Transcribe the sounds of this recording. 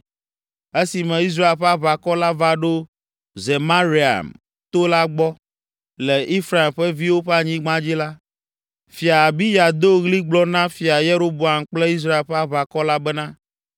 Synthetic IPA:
e˦si˨mɛ̃˨i˦s̬ɾa˦e˨lɸɛ˦a˦βa˨kɔ˦la˦va˦ɖo˦ | ze˨ma˦ɾi˦a̰˨m | t̪o˦la˦ɡ͡bɔ˦ | le˨ʔi˦fɾa˨e˨mɸɛ˦vi˦wo˦ɸɛ˦a˨ɲĩ˦ɡ͡bã˦d͡ʑi˦la˦ | fi˨a˨bi˦ja˨d̪o˦ɣli˦ɡ͡blɔ˦nã˦fi˨a˨je˦ɾo˦bo˨a˨m˨k͡ple˦i˦s̬ɾa˦e˨lɸe˦a˦βa˨kɔ˦la˦bɛ˦nã˦

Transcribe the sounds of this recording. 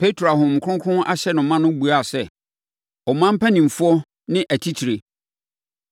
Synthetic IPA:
pʰe˦tʰɾo˨a˨ɦʊ̃˨m˨kʰʊ˦ʊ̃˦ŋkʰʊ̃˦ʔa˦ɕɛ˦nʊ̃˨˦mã˦nʊ̃˦bu˨a˦˨sɛ˦ | ɔ˨mã˦m̩˦pʰæ˦nĩ˨m̩˨fʊ˦ɔ˦ | nɪ̃˦ʔæ˨tʰi˦tʰi˨ɾe˨

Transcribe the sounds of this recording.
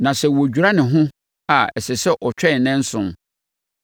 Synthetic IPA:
nã˨sɛ˨wo˨d͡ʑᶣu˨ɾa˦nɪ̃˨ɦʊ̃˦ | a˨ɛ˨sɪ˨sɛ˦ʔɔ˨t͡ɕᶣɛ˦˨nɛ̃˦n̩˦sʊ̃˨m

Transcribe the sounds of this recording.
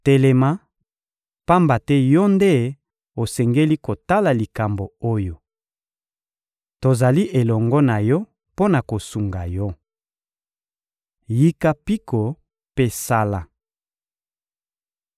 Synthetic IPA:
tɛ˨lɛ˨ma˦ | pa˦mba˨tɛ˦jɔ˦nde˦ | o˨sɛ˨ŋɡe˦li˦ko˨ta˦la˨li˨ka˨mbo˨o˦jo˨ | to˨za˨li˦ʔe˨lɔ˨ŋɡɔ˦na˨jɔ˦ | po˦na˨ko˨su˨ŋɡa˨jɔ˦ | ji˦ka˦pi˦ko˨ | pe˦sa˦la˦

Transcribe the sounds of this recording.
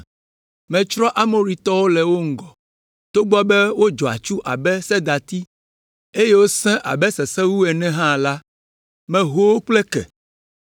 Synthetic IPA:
mɛ̃˨t͡ʃɾɔ˦ʔa˦mo˦ɾi˨t̪ɔ˦wo˦lɛ˨wo˦ŋ̩˨ɡɔ˨ | t̪o˦ɡ͡bɔ˦bɛ˦wo˦d͡ʒɔ˨a̰˨t͡ʃu˦ʔa˨bɛ˦sɛ˦d̪a˨t̪i˦ | e˦je˦wo˦sɛ̃˦ʔa̰˨bɛ˦sɛ˨sɛ˦wu˦ɛ˨nɛ̃˦ɦã˦˨la˦ | mɛ̃˨ɦo˦wo˦k͡plɛ˦kɛ̰˨

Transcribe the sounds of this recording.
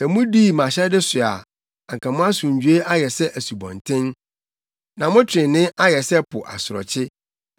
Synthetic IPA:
sɛ˨mũ˦diː˦˨mã˨ɕɛ˦dɪ˦sʊ˨a˨ | a˨ŋ˨kʰã˨mʊ̃˦a˦sũ˨ɲ˨d͡ʑᶣu˦e˦ʔa˦jɛ˨sɛ˦ʔæ˨su˨bɔ̰̃˨ntʰɪ̃˦n | nã˨mʊ̃˦tʰɪ̃˨nɪ̃˦ʔa˦jɛ˨sɛ˦pʰʊ˨ʔa˨sʊ˨ɾɔ̰˨t͡ɕʰɪ˦

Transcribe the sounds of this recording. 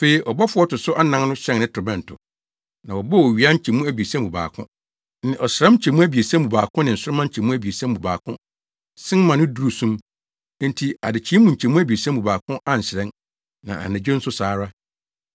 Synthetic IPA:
fe˨i˨ʔɔ˨bɔ˦fʊ˦ɔ˦tʊ˨sʊ˦ʔa˦nã˦ŋnʊ̃˦ɕɛ̃˦nnɪ̃˦tʰɔ˨bɛ̃˨n˨tʰʊ̰˨ | nã˨wɔ˨bɔ˦wɔ˨ɥi˨a˦t͡ɕʰi˨mũ˦æ˦be˨sã˦mbũ˨ba̰ː˨kʰʊ̰̃˦ | n˦ɪ̃˨ɔ˨sɾã˦m˦t͡ɕʰɛ˨mũ˦æ˦bi˨e˨sã˦m˦bũ˨baː˨kʰʊ̃˦nɪ̃˨n̩˨sʊ˦ɾʊ˦mã˦t͡ɕʰɛ˨mũ˦æ˦bi˨e˨sã˦m˦bũ˨ba̰ː˨kʰʊ̃˦ | sɪ̃˦n˦mã˨nʊ̃˦du˦ɾu˨sũ˦m˦ | n̩˦tʰi˦a̰˨dɪ˨t͡ɕʰi˦mũ˨ɲ̩˨t͡ɕʰɛ˨mũ˦æ˦bi˨e˨sã˦mbu˨baː˨kʰʊ̃˦ʔa˦n̩˨sɪ˨ɾɛ̃˦n | nã̰˨a̰˨næ̃˨d͡ʑᶣe˦n̩˦sʊ˦saː˨˦ɾa˦

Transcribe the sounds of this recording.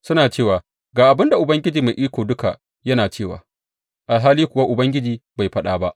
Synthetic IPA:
sʊ˦naː˨t͡ʃeː˦˨waː˨ | ɡaː˨ʔa˨bɪ˦nda˨ʔʊ˨bɐ˦ŋɡʲɪ˦d͡ʒiː˨ma˨ʔiː˦kʷoː˨dʊ˦ka̰˨ | jɐ˦naː˨t͡ʃeː˦˨wa̰ː˨ | ʔa˨lɦaː˦liː˦kʷʊ˨wa˦ʔʊ˨bɐ˦ŋɡʲɪ˦d͡ʒiː˨ba˨jɸɐ˦ɗaː˦ba˦ʔ

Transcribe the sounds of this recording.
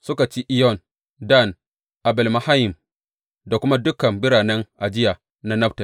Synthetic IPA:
sʊ˦ka˨t͡ʃi˦ʔɪ˦jɔ˦˨n | da˦˨n | ʔa˨bɛ˨lma˨ha˦jɪ˨m | da˨kʷʊ˦ma˦dʊ˦kɐ˨mbɪ˦ɾaː˨nɛ˦ŋʔa˨d͡ʒɪ˦jaː˨ | na˦nɐ˦ptɐ˨l

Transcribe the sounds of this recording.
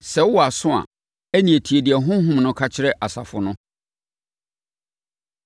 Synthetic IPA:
sɛ˨wɔ˦a˨sʊ̃˦a̰˨ | æ˦nĩ˨e˨tʰi˨e˨dɪ˨ɛ˨ɦʊ̃˦ɦʊ̃˦mnʊ̃˦kʰa˦t͡ɕʰɪ˦ɾɛ˦ʔa˨sa̰˨fʊ˨nʊ̃˦

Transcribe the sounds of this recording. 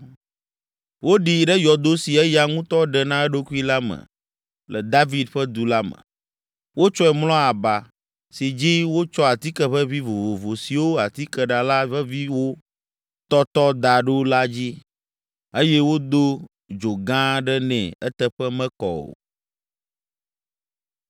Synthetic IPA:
wo˦ɖi˨ɖɛ˦jɔ˨d̪o˦si˨ɛ˦ja˨ŋũ˦t̪ɔ˦ɖɛ˨nã˦ɛ˦ɖo˦ku˦i˦la˦mə̰˨ | lɛ˨d̪a˦vi˦d̪ɸə˦d̪u˨la˦mə̰̃˨ | wo˦t͡ʃɔ˦ɛ˨mlɔ̃˦a˨ba˨ | si˨d͡ʑi˦wo˦t͡ʃɔ˦a˨t̪i˦kɛ˨ɸɛ˦vi˦vo˨vo˨vo˨si˨wo˦a˨t̪i˦kɛ˨ɖa˨la˦βɛ˦vi˦wo˦ | t̪ɔ˦t̪ɔ˦d̪a˨ɖo˦la˦d͡ʑi˦ | e˦jɛ˦wo˦d̪o˦ | d͡ʒo˨ɡã˦ɖɛ˦nɛ̰̃˨ɛ˦t̪ɛ˦˨ɸɛ˦mɛ̃˦kɔ̰˨o̰˨

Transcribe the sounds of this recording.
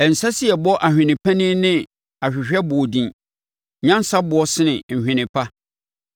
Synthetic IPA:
ɛ˨n̩˨sa˦si˦ɛ˨bɔ˦ʔa˨hᶣɪ̃˨nɪ̃˨pʰã˦nĩ˦nɪ̃˦ | a˨ɕᶣɪ˨ɕᶣɛ˦bʊ˨ɔ˨dĩ˨n | ɲã˦n˦sa˦bʊ˨˦ɔ˦sɪ˦nɪ̃˨ɲ̩˨hᶣɪ̃˨nɪ̃˨pʰa˦

